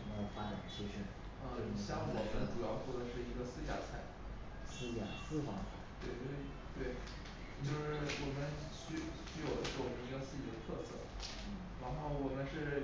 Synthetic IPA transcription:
m˥˨˩fa˥ʈ͡ʂa˨˩ə˦ɕi˥˧ʂɻ̩˥˩ | ə˧ɕjɑ˥˩ŋwɔ˨˩mə˦nʈ͡ʂu˨˩jɑ˥˧ʊxwɔ˥˩dɤ˧˦ʂɻ̩˥˩i˧˥ɡə˧sɹ̩˥t͡ɕja̰˥˩t͡sʰa˨˥˩ɪ | sɹ̩˥t͡ɕja̰˥˩sɹ̩˥fɑ˧˥ŋt͡sʰa̰˨˧˩t̪we˥˩ɪt͡ɕjo˥˧ʊʂɻ̩˥ | t̪we˥˩ɪ | t͡ɕjo˥˧ʊʂɻ̩˥˧˥wɔ˨˩mə˦nɕy˥˩ɕy˥˩jo˨˩ʊd̪ə˧˥ʂɻ̩˥˩wɔ˨˩mə˧˥ni˧˥ɡə˧sɹ̩˥t͡ɕi˨˩d̪ə˧t̪ʰɤ˥˧sɤ̰˥˩˥ | ɻa˧˥xo˥˩ʊwɔ˨˩mə˦nʂɻ̩˥˩

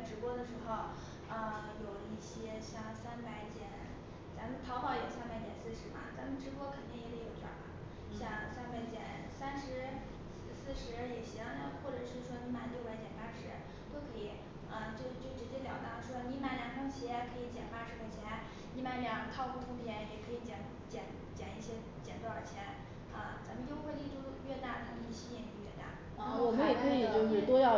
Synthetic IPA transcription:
ʈ͡ʂɻ̩˧˥pwɔ˥d̪ə˨ʂɻ̩˧˥xo˧ʊ | ə˧˩xə˧˥njo˨˩ʊi˥˩ɕjɛ˥ɕjɑ˥˩ŋsa˥npa˧˥ɪt͡ɕjɛ˨˩˦n | t͡sa˧˥mə˨˩t̪ʰɑ˧˥ʊpɑ˧˩˥ʊjo˨˩ʊsa˥npa˨˧˥ɪt̪jɛ̰˨˩nsɹ̩˥˩ʂɻ̩˧˥bɐ̰˧t͡sa˧˥mə˧nʈ͡ʂɻ̩˧˥pwɔ˥kʰə˨˩nt̪i˥˩ŋi˧˥lə˧˥˩jo˨˧˩ʊʈ͡ʂa̰˨˩ba̰˨˦ | ɕjɑ˥˩ŋsa˥npa˧˩ɪt͡ɕjɛ̰˨˩˦n | sa˥nʂɻ̩˧˥ | s̩˧sɹ̩˥˩ʂɻ̩˧˥jɛ˨˩ɕi˧˥ɑ˥˧ŋt̪ɑ˥˧xwɔ˥˩ʈ͡ʂɤ˨˩ʂɻ̩˥˩ʂwɔ˥ni˧˥ma˨˩ljo˥˧ʊpa˧˥ɪt͡ɕjɛ˨˩npa˥ʂɻ̩˧˥ | t̪o˥˩ʊkʰɤ˧˥i˨˩˦ | ə˧t͡ɕjo˥˧ʊt͡ɕjo˥˩ʊʈ͡ʂɻ̩˧˥t͡ɕjɛ˥tljɑ˨˩ʊt̪ɑ˥˩ʂwɔ˥ni˧˥ma˨˩ɪljɑ˧˥ŋfʰɑ˥ŋt͡ɕʰi˧˥ɛ˧˩kʰɤ˧˥i˧˥t͡ɕjɛ˨˩npa˥ʂɻ̩˧˥xʰo˧˩t͡ɕʰjɛ˧˥n | ni˧˥ma˧˥ljɑ˧˥t̪ʰɑ˥˧ʊpu˥˩t̪ʰʊ˧˥ŋpʰjɛ˧˥n˩jɛ˨˩kʰɤ˧˥i˧˥t͡ɕjɛ˧˩n | t͡ɕjɛ˧˩n | t͡ɕjɛ˨˩ni˥˩ɕjɛ˥ | t͡ɕjɛ˨˩nt̪wa˥˩ə˞˨˩t͡ɕʰjɛ˧˥n | ə˥˧˩t͡sa˧˥mə˧njo˥ʊxwli˥˧˩ʈ͡ʂu˥ɥɛ˥˧t̪a˥˩t̪ʰɤ˥˩˧i˧˥˩ɕi˥jɛ˥˩ni˧˥ɥɛ˥˧t̪a̰˥˩˥ | wɔ˨˩mə˦njɛ˨˩kʰɤ˥i˨˩t͡ɕjo˥˧ʊʂi˥˩t̪wɔ˥jɑ˥˧˩

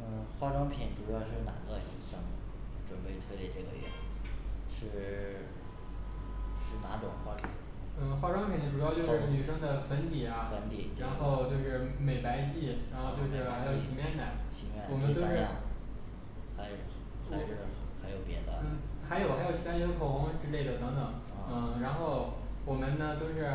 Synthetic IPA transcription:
n̩˥˩xwa˥ʈ͡ʂwɑ˥ŋpʰi˨˩nʈ͡ʂu˨˩jɑ˥˧ʊʂɻ̩˥˩na̰˨˩ɡ̪ə˥˧˩ɕi˧˥˩ʂɤ˥˩ŋʈ͡ʂwə˨˩npe˥˧ɪt̪ʰɤ˥˧ljɛ˥˩ʈ͡ʂɤ˥˩ɡə̰˩ɥɛ̰˥˩ | ʂɻ̩˥˩ | ʂɻ̩˥˩na˧˥ʈ͡ʂʊ˨˩ŋxwa˥ʈ͡ʂʰ | n̩˥˩xwa˥ʈ͡ʂwɑ˥ŋpʰi˨˩nd̪ə˥ʈ͡ʂu˨˩jɑ˥˧ʊt͡ɕjʂɻ̩˥˩ny˨˩ʂɤ˥ŋd̪ə˨fə˧˥nt̪i˨˩ɐ˩fə˧˥nt̪i˨˩˦t͡ɕa˧˥nxo˥˧ʊt͡ɕjo˥˧ʊʂɻ̩˥˩me˨˩ɪpa˧˥ɪt͡ɕi˥˩ɻa˧˥nxo˥˧ʊt͡ɕjo˥˧ʂɻ̩˥˩xa˧˥ɪjo˨˩t͡ɕʰi˧˥mjɛ˥˩nk̪a˨˩˦nt͡ɕʰi˧˥mɛ̰˧˥˩wɔ˨˩mə˦n˥t̪o˥ʂɻ | xa˧˥ɪj̩˨˧˥ | xa˧˥jo˨˩ʊpjɛ̰˧˥d̪ə̰˧n̩˥˩xa˧˥ɪjo˨˩ʊxa˧˥ɪo˨˩t͡ɕʰi˥t̪ʰːt͡ɕjkʰo˨˩ʊxʊ˧˥ŋ˥ʈ͡ʂɻ̩˥le˥˩ɪd̪ə˩t̪ɤ˧˥ŋt̪ɤ˨˩˦ŋ˥˧n̩˥˩ɻa˧˥nxo˥˩ʊ | wɔ˨˩mə˦nnə˧t̪o˥˧ʊʂɻ̩˥˩

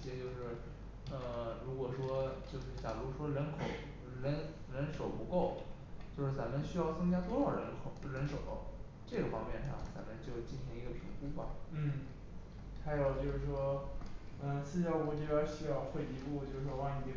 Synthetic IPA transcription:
ɕjɛ˧˥t͡ɕjo˥˧ʊʂɻ̩˥˩ | ə˧˩ɻu˧˥kwɔ˨˩ʂwɔ˥t͡ɕjo˥˧ʊʂɻ̩˥˩t͡ɕja˨˩lu˧˥ʂwɔ˥ɻə˧˥nkʰo˨˩˦ʊ | ɻə˧˥n | ɻə˧˥nʂo˨˩ʊpu˧˥ko˥˩ʊ | t͡ɕjo˥˧ʊʂɻ̩˥˩t͡sa˧˥mə˧nɕy˥jɑ˥˩ʊt͡sɤ˥ŋt͡ɕja˥t̪wɔ˥ʂɑ˨˩ʊɻə˧˥nkʰo˨˩ʊɻə˧˥nʂo˨˩ʊ̰˦˥˩ | ʈ͡ʂɤ˥˩ɡə˩fɑ˥ŋmjɛ˥˧˩nʂɑ̰˥˩ŋt͡sa˧˥mə˧nt͡ɕjo˥˧ʊt͡ɕi˥˩nɕi˧˥ŋi˧˥ɡə˧pʰḭ˧˥ŋku˥bɐ̰˨˧n̩˥˩ | xa˧˥ɪjo˨˩ʊt͡ɕjo˥˧ʊʂɻ̩˥˩ʂwɔ˥ | ə˩˧sɹ̩˥˧ɕjɑ˥˧ʊku˥˧˩ʈ͡ʂi˥˧˩pja˥nɕy˥jɑ˥˧ʊxwe˥˩ɪi˧˥pu˥˧˩t͡ɕjo˥˧ʊʂɻ̩˥˩wɔ˥a˥˩ŋni˨˩˧

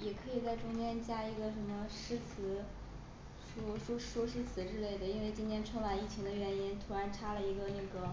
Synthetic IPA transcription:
jɛ˨˩kʰɤ˧˥i˨˩t͡sa˥˩ɪʈ͡ʂʊ˥ŋt͡ɕjɛ˥nt͡ɕja˥i˧˥ɡə˧ʂə˧˥nmə˧ʂɻ̩˥˩t͡sʰɹ̩˧˥ | ʂɔ˥˩ʂwɔ˥ʂwɔ˥ʂɻ̩˥˩t͡sʰɹ̩˨˧˥ʈ͡ʂɻ̩˥le˥˩ɪd̪ə˩i˥nwe˥˧ɪt͡ɕi˥nt̪ʰjɛ˥nʈ͡ʂʰɤ˥ŋma˨˩ni˥˩t͡ɕʰi˧˥ŋd̪ə˧ɥɛ˧˥ni˥nt̪ʰu˧˥ɻa˧˥nʈ͡ʂʰa˥lə˨i˧˥ɡə˧na˥˩ɡə˩˦

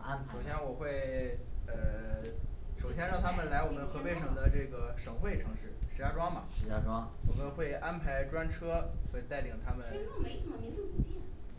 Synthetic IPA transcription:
o˨˩ʊɕjɛ˥nwɔ˨˩xwe˥˩ɪə˧ | ʂo˨˩ʊɕjɛ˥nɻɑ˥˩ŋt̪ʰa˥mə˨nla˧˥ɪwɔ˨˩mə˦nxɤ˧˥pe˥˧ɪʂɤ˨˩ŋd̪ə˦ʈ͡ʂɤ˥˩ɡə˩ʂɤ˨˩ŋxwe˥˩ɪʈ͡ʂʰɤ˧˥ŋʂɻ̩˥˩ʂɻ̩˧˥t͡ɕja˥˩ʈ͡ʂwɑ˥ŋmɐ˨˧˥a˥ʈ͡ʂwɑ˥wɔ˨˩mə˦nxwe˥˩ɪʔa˥npʰa˧˥ɪʈ͡ʂwa˥nʈ͡ʂʰɤ˥xwe˥˧ɪt̪a˥˩ɪli˨˩ŋt̪ʰa˥mə˨n˥m˧˥˧u˥˩

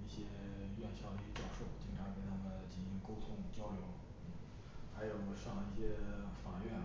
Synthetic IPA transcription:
i˥˩ɕjɛ˥ɥɛ˥˧nɕjɑ˥˩ʊd̪ə˧i˧˩ɡə˧t͡ɕjɑ˥˧ʊʂo˥˩ʊt͡ɕi˨˩ŋʈ͡ʂʰa˧˥ke˨˧˩ɪnʰa˥˩mə˨˩t͡ɕi˨˩ni˧˥ŋko˥ʊt̪ʰʊ˥ŋt͡ɕjɑ˥ʊljo˧˥ʊ | m̩˥˩ | xa˧˥ɪjo˨˩ʊ˧˩ʂɑ˥˩ŋlə˧i˥˩ɕjɛ˥fa˨˩ɥɛ˥˩n

